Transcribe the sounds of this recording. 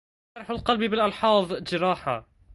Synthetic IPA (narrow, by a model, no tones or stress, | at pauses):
ɾˤɑħalqɑlbibɪlʔɑlħɑːðˤd͡ʒɪɾˤɑːħa̰